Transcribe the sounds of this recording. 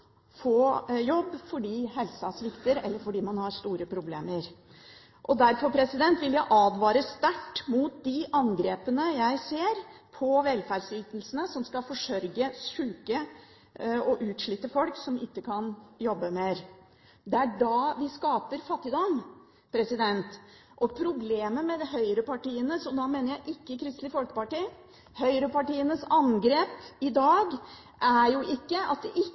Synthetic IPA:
foːjɔbːfɔɖiːɦɛlsɑsʋɪkt̪əɾɛlːəɾfɔɖiːmɑnhɑɾʂt̪uːɾəpʰɾʊbleːməɾ | ʔɔd̪æɾfɔɾpʰɾɛsɪd̪ɛnt̪ʋɪljæɪʔɑːd̪ʋɑːɾəst̪æʈːmuːt̪̚d̪ɪʔɑŋɡɾeːpənəjæɪseːɾpʰɔʋɛlfæːɖsliːt̪nəl̩sənəsɔmskɑfɔʂœɾɡəsʉːkə | ɔʔʉːt̪ʂɭit̪ːəfɔlksɔmɪkːəkʰɑnjɔbːəmeɾ | d̪ɛæɖɑːʋɪskɑːpəɾfɑt̪ːɪd̪ɔm | pʰɾɛsɪd̪ɛnt̪ʔɔpʰɾʊbleːməmɛd̪ɛɦœʏɾəpʰɑʈiːənəsɔd̪ɑmeːnəɾjæɪʔɪkːəkʰɾɪst̪lɪfɔlkə̥pɑʈiː | hœʏɾəpɑʈiːənəsɑŋɡɾeːpɪd̪ɑːɡ | ʔæɾjʊʔɪkːəɑ̰t̪̚d̪ɛʔɪ

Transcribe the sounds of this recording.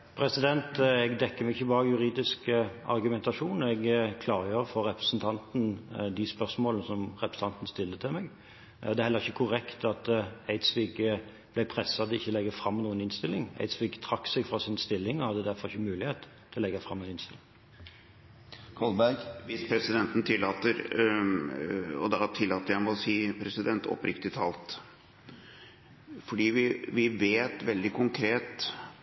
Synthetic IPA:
pʰʁɛsɪd̪ɛnt̪ɛɡd̪ɛkːəmɛɡɪçəbɑːɾəəjʉɾiːd̪ɪskɑ̰ɾɡʉmɛnt̪ɑʂuːnɛɡkʰlɑːɾəjøːʁfɔɾːɛpɾɛsnt̪ʰɑnt̪n̩d̪ɪspœʁsmoːlnəsɔmʁɛpɾəsn̩t̪ɑnt̪n̩st̪ɪlt̪ət̪ʰɪlmɛɡ | d̪ɛːɾhɛləʁɪçːəkʰʊɾɛkt̪ɑt̪æɪt̪sʋiːɡ | b̥lɛɪpʰʁɛsːɑd̪ɪçːəlɛɡːəfɾɑmːnuːənɪnst̪ɪlːɪŋæ̰ɪd̪sʋiːɡt̪ʰɾɑksɛɡfʁɑsɪnst̪ɪlːɪŋɔhɑd̪ːəd̪æɾfɔʁɪçːəmʉːlɪheːt̪t̪ʰːɔlɛɡɑfʁɑ̰mːænɪnst̪ɪlɪŋ | kʰɑlbæɡʋɪspʰɾɛsɪd̪ɛnt̪n̩t̪ʰɪlːɑːt̪əɾ | ɔ̰d̪ɑt̪ʰɪlːɑːt̪əɾjæɪmɛɔsiːpʰɾɛsɪd̪ɛnt̪ʰɔ̰pɾɪkt̪ɪt̪ʰɑːlt̪ | fɔɖiːʋɪʋɪʋeːt̪ʋɛld̪ɪkʰʊŋkʰɾeːt̪

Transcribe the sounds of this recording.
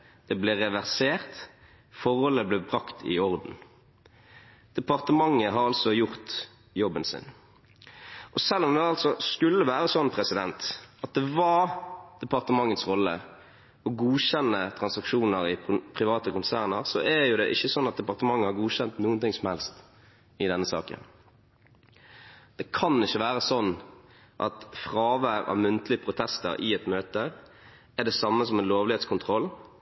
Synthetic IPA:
d̪̥ɛblɪʁɛʋæʁseːʁt̪ | fɔʁhɔlːəblɛbʁɑkt̪ʰɪ̰ɔʁd̪n̩ | d̪̥ɛpɑʁt̪əmɑŋːəɦɑɾɑlsɔjʊʁt̪ | jɔbənsɪ̰n | ʔɔsɛlːɔmd̪ɛɑlsɔskʉlːəʋæːɾəsɔnːpʰʁɛsɪd̪ɛnt̪ɑt̪̚d̪ɛʋɑd̪̥ɛpɑʁt̪əmɑŋːət̪sʁɔlːə̰ | ɔɡuːɕɛnːət̪ʰʁɑnsɑkʂuːnəɾɪpʰʁɪʋɑːt̪əkʊnsæːʁnəʁsɔʔæjʊd̪ɛʔɪçːəsɔnːɑt̪̚d̪ɛpɑʁt̪əmɑŋːəhɑɾɡuːɕɛnt̪nuːənt̪ɪŋsɔmhɛlst̪ | ɪd̪ɛnːəsɑ̰ːkə̰n | d̪̥ɛkʰɑnɪçːəʋæːɾəsɔnː | ʔɑ̰t̪fʁɑːʋæʋɑ̰mʉnt̪əlɪəpʰɾʊt̪ʰɛst̪ə̰ɾɪ̰ɛt̪møːt̪ə | æd̪ɛsɑmːəsɔmɛnloːʋlɪeːt̪skʰʊnt̪ʰʁɔlː

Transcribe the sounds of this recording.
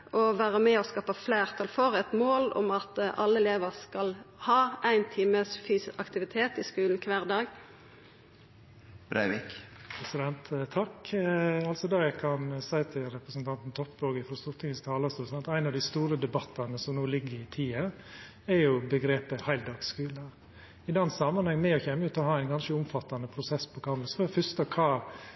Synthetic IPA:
ʔɔʋæːʁəmɛɔskɑːpəflæːʁt̪ʰɑlfɔɾɛt̪moːlɔ̰mɑt̪ʔɑlːəɛleːʋəʁskɑlhɑːæɪnt̪ʰiːməsfyːsɑkt̪ɪʋɪt̪ʰeːt̪ɪskʉːln̩kʰʋæːʁd̪ɑːɡ | b̥ɾæ̰ɪʋɪkpʰɾɛsɪd̪ɛnt̪t̪ʰːɑk | ɑlsɔd̪ɑjækʰɑnsæɪt̪ʰɪlɾɛpɾəsnt̪ʰɑnt̪n̩t̪ʰɔp̚ːboːɡəfɔst̪ʊɾt̪ʰɪŋəst̪ʰɑːlɑst̪ɔːsɑnt̪æɪnɑʋd̪ɪst̪uːɾəd̪ɛbɑt̪ːɑnəsɔmnoːlɪɡːəɾɪt̪ʰiːɑ | ɛɾjʊbəɡɾeːpəhæɪld̪ɑːɡskʉːln̩əɾ | ɪd̪ɛnsɑmɑnhɑŋːmɛɔçɛmːəʉːt̪ɔhɑːæɪnɡɑnʃəʊmfɑt̪ːɑnəpʰɾʊsɛspʰɔkʰɑməsfɔfʏst̪əkʰɑː

